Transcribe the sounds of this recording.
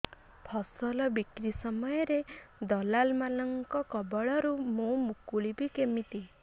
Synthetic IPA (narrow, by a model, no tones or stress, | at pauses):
pʰɔsɔlɔbikɾisɔmɔjɔɾed̪ɔlalmalɔŋkɔkɔbɔɭɔɾumũmukuɭibikemit̪i